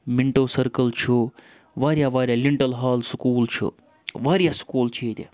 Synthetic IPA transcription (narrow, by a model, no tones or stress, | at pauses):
miɳʈoːsɐɾkəlt͡ʃʰu | ʋaːɾjaːʋaːɾjaːliɳʈɐlɦaːlskuːlt͡ʃʰṵ | ʋaːɾjaːskuːlt͡ʃʰet̪ʲa̰